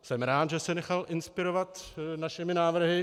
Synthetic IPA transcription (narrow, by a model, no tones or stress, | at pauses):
sɛmɾaːt̪ʒɛsɛnɛxalʔɪnspɪɾo̞vat̪naʃɪmɪnaːvr̩ɦɪ